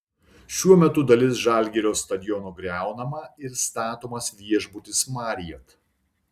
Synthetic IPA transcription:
ʃʲuɔmʲɛt̪ʊd̪ɐlʲɪsʒɑˑlʲˑɡʲɛɾʲoːst̪ɐd̪ʲɪjɔnoːɡɾʲæˑʊnɐmɐɪɾst̪ɑːt̪oːmɐsʋʲiɛʒbʊt̪ʲɪsmɑːɾʲɪjɛt̪

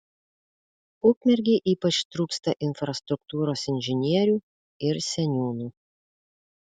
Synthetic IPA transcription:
ukmʲɛɾʲɡʲeʔiːpɐt͡ʃt̪ɾuːkst̪ɐʔɪnfɾɐst̪ɾʊk̚t̪uːɾoːsɪnʲʒʲɪnʲiɛɾʲuː | ɪɾsʲɛnʲuːnuː

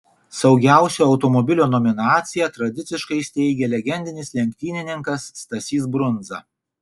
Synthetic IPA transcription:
sɒʊɡʲæˑʊsʲoːɐʊt̪ɔmɔbʲɪlʲoːnɔmʲɪnɑːt̪sʲɪjɛt̪ɾɐd̪ʲɪt̪sʲɪʃkɐɪsʲt̪ʲɛɪɡʲɛlʲɛɡʲɛnʲd̪ʲɪnʲɪslʲɛŋʲkʲt̪ʲiːnʲɪnʲɪŋkɐsːt̪ɐsʲiːsbɾʊnd̪zɐ̰

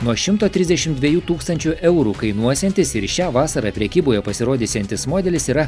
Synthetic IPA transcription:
nuɔʃʲɪmt̪oːt̪ʲɾʲɪzʲd̪ʲɛʃʲɪmd̪ʲʋʲiɛjuːt̪uːkst̪ɐnʲt͡ʃʲuʔɛʊɾuːkɐɪnuɔsʲɛnʲt̪ʲɪsɪɾʃʲæːʋɑːsɐɾɑːpʲɾʲɛkʲiːboːjɛpɐsʲɪɾoːd̪ʲiːsʲɛnʲt̪ʲɪsmoːd̪ʲɛlʲɪsiːɾɐ

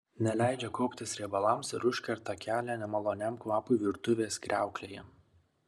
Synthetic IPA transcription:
nʲɛlʲæˑɪd͡ʒʲɛkoːpʲt̪ʲɪsɾʲɛːbɐlˠɐmsɪɾʊʃʲkʲɛɾt̪ɐkʲæːlʲæːnʲɛmɐlˠoːnʲɛmkʋˠɑːpʊɪʋʲɪɾt̪ʊʋʲeːskɾʲæˑʊklʲeːjɛ

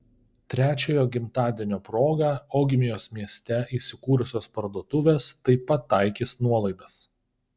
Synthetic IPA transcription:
t̪ʲɾʲæːt͡ʃʲoːjoːɡʲɪmt̪ɑːd̪ʲiɛnʲoːpɾoːɡɑːoːɡʲɪmʲɪjoːsmʲiɛsʲt̪ʲɛiːsʲɪkuːɾʊsʲoːspɐɾd̪uɔt̪ʊʋʲeːst̪ɐɪpɐt̪ːɑˑɪkʲisnuɔlˠɐɪd̪ɐs

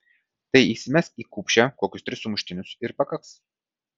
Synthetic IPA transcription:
t̪ɐɪiːsʲɪmʲɛsiːkuːpʲʃʲɛkoɔkʲʊst̪ʲɾʲɪsʊmʊʃʲt̪ʲɪnʲʊsɪɾpɐkɐks

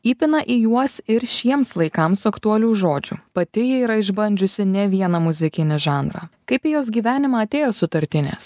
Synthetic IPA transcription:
iːpʲɪnɐʔijuɔsɪɾʃʲiɛmslˠɐɪkɐmsʊɐkt̪uɔlʲuːʒoːd͡ʒʲṵːpɐt̪ʲɪjɪiːɾɐɪʒbɐnʲd͡ʒʲʊsʲɪnʲɛʋʲiɛnɐmʊzʲɪkʲɪnʲɪʒɑːnɾɑ̰ːkɐɪpʲijoːs̬ɡʲiːʋʲæːnʲɪmɑːɐt̪ʲeːjoːsʊt̪ɐɾʲt̪ʲɪnʲḛːs

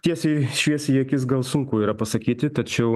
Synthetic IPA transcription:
t̪ʲiɛsʲɛɪʃʲʋʲiɛsʲjiɛkʲɪsɡɐlˠsʊŋkʊiːɾɐpɐsɐkʲiːt̪ʲɪt̪ɐt͡ʃʲɛʊ

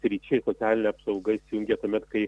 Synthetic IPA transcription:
sʲɾʲiːt͡ʃʲɛɪsot̪ʲæːlʲɪnʲeɐpsɒʊɡɐɪsʲjʊŋʲɡʲet̪uɔmʲɛt̪kɐɪ

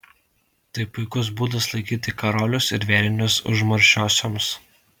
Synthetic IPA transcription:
t̪ɐɪpʊɪkʊs̬buːd̪ɐslˠɐɪkʲiːt̪ʲɪkɐɾɔːlʲʊsɪɾʋʲɛːlʲɪnʲʊsʊ̰ʒmɐɾʲʃʲoːsʲoːms

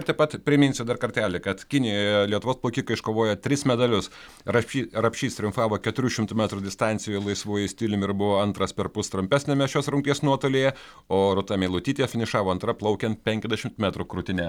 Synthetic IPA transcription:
t̪ɛɪpɐt̪pʲɾʲɪmʲɪnsʲʊd̪ɐɾkɐɾʲt̪ʲæːlʲɪkɐt̪kʲɪnʲɪjojɛlʲiɛt̪ʊʋoːsplˠoːkʲiːkɐɪʃkoːʋoːjɛt̪ʲɾʲɪsmʲɛd̪ɐlʲʊs | ɾɐiɾɐpʲʃʲiːst̪ʲɾʲʊmfɑːʋoːkʲɛt̪ʊɾʲuːʃʲɪmt̪ʊmʲæt̪ɾud̪ʲɪst̪ɑnʲsʲɪjʊlˠɐɪsʋuːjɛsʲt̪ʲɪːlʲɪmʲɪɾbʊʋoːɐnt̪ɾɐspʲɛɾpʊst̪ɾʊmʲpʲæːsʲnʲeːmʲɛʃʲoːsɾʊŋʲkt̪ʲiɛsnuɔt̪oːlʲejɛ | oːɾʊt̪ɑmʲɛɪlˠʊt̪ʲiːt̪ʲeːjɛfʲɪnʲɪʃɑːʋoːɐnt̪ɾɐplˠɐʊkʲɛnt̪̚pʲɛŋʲkʲɛzʲd̪ʲɛʃʲɪmt̪mʲæt̪ɾʊkɾʊt̪ʲɪnʲɛ

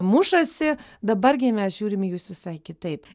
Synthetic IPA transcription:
mʊʃɐsʲɪd̪ɐbɐrɡʲɪmʲɛsʒ̥ʲuːɾʲɪmjuːsʋʲɪsɐɪkʲɪt̪ɐɪp

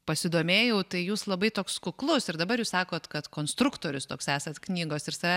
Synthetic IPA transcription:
pɐsʲɪd̪oːmʲeːjɛʊt̪ɐɪjuːslˠɐbɐɪt̪oːkskʊklˠʊsɪɾd̪ɐbɐɾjuːsɑːkoːt̪kɐt̪koːnst̪ɾʊkt̪oːɾʲʊst̪oːksæːsɐt̪knʲiːɡoːsɪɾsɐʋʲæ

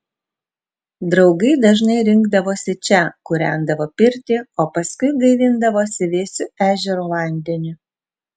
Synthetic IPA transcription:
d̪ɾɒʊɡɐɪd̪ɐʒnɐɪɾʲɪŋɡd̪ɐʋoːsʲɪt͡ʃʲɛkʊɾʲænd̪ɐʋoːpʲɪɾʲt̪ʲɪoːpɐskʊɪɡɐɪʋʲɪnd̪ɐʋoːsʲɪʋʲeːsʲʊæːʒʲɛɾoːlˠɐˑnʲd̪ʲɛnʲʊ

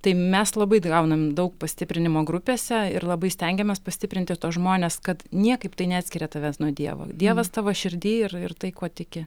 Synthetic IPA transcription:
t̪ɐɪmʲɛslˠɐbɐɪɡɐʊnɐmd̪ɐʊkpɐsʲt̪ʲɪpʲɾʲɪnʲɪmoːɡɾʊpʲeːsʲɛɪrlˠɐbɐɪsʲt̪ʲɛŋʲɡʲɛmʲɛspɐsʲt̪ʲɪpʲɾʲɪnt̪ʲɪt̪oːsʒmoːnʲeskɐt̪nʲiɛkɐɪpt̪ɐɪnʲɛɑːt̪sʲkʲɪɾʲɛːt̪ɐʋʲæsnuɔd̪ʲiɛʋo̰ːd̪ʲiɛʋɐst̪ɑːʋɐʃʲɪɾʲd̪ʲiːɪrɪrt̪ɐɪkoːt̪ʲɪkʲɪ

